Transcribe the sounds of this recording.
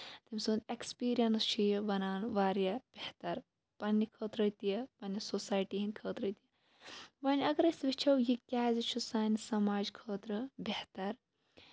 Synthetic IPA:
t̪imʲsuːnd̪ekspiːɾijɐnst͡ʃʰijbɐnaːnʋaːɾjab̥ʲeht̪ɐɾ | pɐnʲːikʰəːt̪ɾɐt̪ijɐpɐnisosaːjʈiːɦinʲkʰəːt̪ɾət̪ijɐ | bɐnʲɐɡɐɾɐsʋit͡ʃʰɐwjikʲaːzit͡ʃʰusaːnsɐmaːd͡ʒkʰəːt̪ɾɨbeht̪ɐɾ

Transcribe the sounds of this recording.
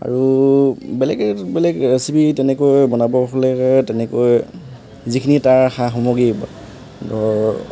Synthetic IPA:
a̰ɹu | bɛlɛɡɛbɛlɛɡəsibitɛnɛkojbɔnabɔkɔlɛtɛnɛkoj | zikʰinitaɹaxaxɔmɔɡiba̰ | dɔ

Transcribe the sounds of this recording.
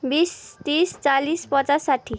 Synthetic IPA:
bist̪ist͡salispʌt͡sasːaʈʰi

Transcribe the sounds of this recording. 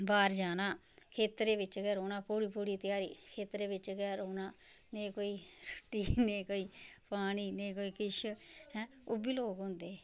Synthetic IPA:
baːɾd͡ʒaːnaː | kʰeːt̪ɾeːʋɪt͡ʃɡɛːɾoːnãːpuːɾiːpuːɾiːt̪ɪjaːɾiːkʰeːt̪ɾeːbɪt͡ʃɡɛːɾoːnaː | neĩkoːiːɾʊʈːiːnẽːkoːiːpaːniːneikoːiːkɪʃɦɛ̃ː | ʊbiːloːɡɦʊ̃ːnd̪eː

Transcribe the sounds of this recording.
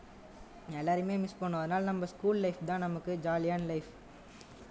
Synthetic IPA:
ɛlːaːɾɯmeːmɪspɐɳːʊ̃ɐðɯnaːlnɐmːɐskuːllɐɪfd̪ãːnɐmɐkːɯd͡ʒaːlɪjaːnlɐɪf

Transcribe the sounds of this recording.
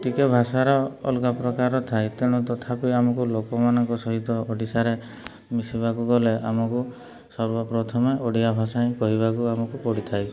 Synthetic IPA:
ʈikebʱasaɾɔ̰ːlkapɾɔkaɾɔt̪ʰajt̪eɽ̃ũt̪ɔt̪ʰapiamɔkulokɔmanɔŋkɔsɔɦit̪ɔɔɖisaɾe | misibakuɡɔleʔa̰mɔku | sɔɾbɔpɾɔt̪ʰɔmeʔɔɖiabʱasaĩkɔɦibakuamɔkupɔɽit̪ʰaj

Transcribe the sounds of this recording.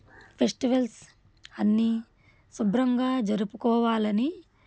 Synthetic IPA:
pʰesʈiʋɐls | ɐnːi | subɾɐŋɡaːd͡ʒɐɾupukɔːʋaːlɐni

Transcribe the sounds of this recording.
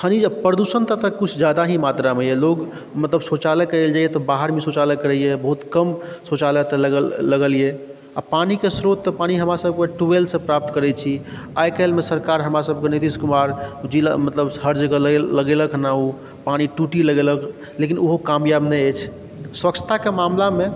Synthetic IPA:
kʰənid͡ʒpɾəd̪usənt̪ət̪əkut͡ʃʰd͡ʒad̪aɦimat̪ɾamejɛloɡ | mət̪ləbsot͡ʃaləkːəɾeld͡ʒajet̪ɔbaɦəɾmesut͡ʃaləkːəɾɛijebəɦut̪kəmsot͡ʃalət̪lːəɡəlje | a̰panikesɾot̪ːɔpañiɦəmɾasəb̚ʱkeʈuelsə̃pɾap̚t̪kəɾɛt͡ʃʰi | ajkelmesəɾkaɾɦəmɾasəb̚ʱkenit̪iskumaɾd͡ʒilamət̪ləbɦəɾd͡ʒkəllːəɡeləkʰnaɦu | pañiʈuʈiləɡelək | lekinoɦokamjabnɛet͡ʃʰ | swəkt͡ʃʰt̪ʰakemamlame

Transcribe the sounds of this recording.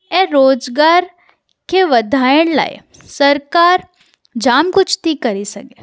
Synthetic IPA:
ɛɾoːd͡ʒɡaːɾ | keʋɐd̪ʱaːjəɽla̰ːḛ | sɐɾkaːɾ | d͡ʒaːmkʊt͡ʃʰt̪ʰikɐɾisɐkeː

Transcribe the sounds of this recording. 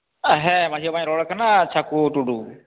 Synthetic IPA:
ɦɛmaiɔbaɲɾɔɽkʰanat͡ʃʰakuʈuɖu

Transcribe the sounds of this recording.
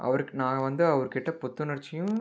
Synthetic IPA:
ʔɐ̰ʋɐɾɯkːnãːɐʋɐnd̪ɯɐʋɐɾɯkɪʈːɐpɔt̪ːɯnɐɽɪt͡ʃːɪjʊ̃

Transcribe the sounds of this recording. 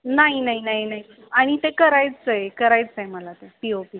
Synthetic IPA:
naɦinaɦinaɦinaɦi | aɽ̃it̪ekəɾajt͡st͡saekəɾajt͡st͡sajməlat̪epiopi

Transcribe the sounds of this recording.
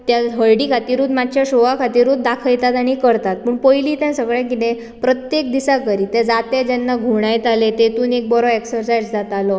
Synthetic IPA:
t̪jaɦəɭɖikʰat̪iːɾuːt̪mat͡ɕjaɕoʋakʰat̪iːɾuːt̪̚d̪akʰəjt̪at̪aɽ̃ikəɾt̪at̪̚pəɳpəjliːt̪ɛ̃səɡɭɛ̃kit̪ɛ̃ | pɾət̪jekd̪isakəɾiːt̪ɛ̃d͡zat̪ɛd͡ʑɛnːaɡʱuɽ̃ajt̪alet̪et̪uːnek̚bɔɾɔeksəɾsajd͡zd͡zat̪alɔ

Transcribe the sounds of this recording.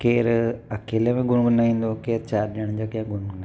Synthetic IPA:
keːɾɐkeːlemẽɡʊɽ̃ɡʊnaːĩːnd̪okeːɾt͡ɕaːɾɗeɽ̃d͡ʑakãɡʊɽ̃ɡʊna

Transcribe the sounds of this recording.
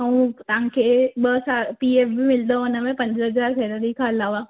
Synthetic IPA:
əũt̪ɐʋãkʰeːɓəsapiːeːfbɪmɪld̪oʊnəmẽpɐ̃ɲd͡ʑəɦəzaːɾfʰɛɾəɾikʰãɐlaːʋaː

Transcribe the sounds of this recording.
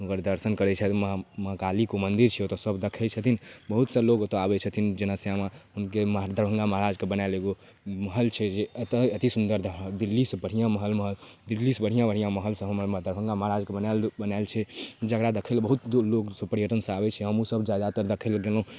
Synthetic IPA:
əɡəɾd̪əɾsənkəɾɛt͡ʃʰɛt̪mmɦakalikomənd̪iɾt͡ʃʰɛot̪ɔsəbd̪əkʰɛt͡ʃʰət̪ʰinbəɦut̪səlokot̪oabɛt͡ʃʰət̪ʰind͡ʒenəsjamaɦunkemɦd̪ʱəɾbʱə̃ŋɡaməɦɾad͡ʒkebənaeleɡo | məɦəlt͡ʃʰɛd͡ʒeət̪əət̪isund̪əɾd̪ʱəd̪ilːisəbəɽ̤ijãməɦəlməɦəld̪ilːisbəɽ̤ijãbəɽ̤ijãməɦəlsə̃ɦəmməd̪ʱəɾbʱəŋɡaməɦɾad͡ʒkebənalbənaelt͡ʃʰɛd͡ʒəkɾad̪ekʰelbəɦut̪loksəpəɾjəʈənsə̃abɛt͡ʃʰɛɦəmũsəbd͡ʒad̪at̪əɾd̪əkʰelɡelɦũ

